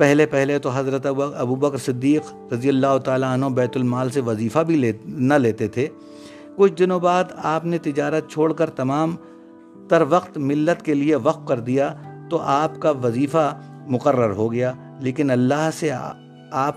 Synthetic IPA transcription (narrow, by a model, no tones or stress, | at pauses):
pɛɦlepɛɦlet̪oɦɐzɾət̪ɐbuːbɐkɾsɪd̪ːiːq | ɾɐzijəlːaːɦot̪aːlaɐnɦõbɛːt̪ʊlmaːlseʋɐziːfabʱinɐleːt̪et̪ʰeː | kʊt͡ʃʰd̪ɪnõbaːt̪aːpnet̪ɪd͡ʒaːɾət̪̚t͡ʃʰoːɽkɐɾt̪ɐmaːm | d̪ɐɾʋɐqt̪mɪlːət̪kelieʋɐqfkɐɾd̪ijat̪oʔaːpkaʋɐziːfa | mʊqərːəɾɦoɡɐjaː | leːkɪnɐlːaːɦse | aːp̚